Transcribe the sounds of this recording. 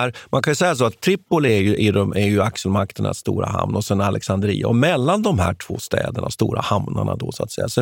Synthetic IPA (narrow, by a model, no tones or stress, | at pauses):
æɾmʔankʰanjɵsɛjːas̬oːat̪ʰːɾɪpːʊlɪɛɾjɵʔɪd̪ɔmæɾjɵakʂəlmak̚t̪əɳa̰st̪ṵːɾaɦa̰mnɔsɛnalʔɛksand̪əɾḭːaɔmɛlːand̪ɔmhæːʈʰv̥oːst̪ɛ̰ːd̪əɳast̪uːɾahamnaɳad̪ɔsɔa̰t̪sɛjːasɔ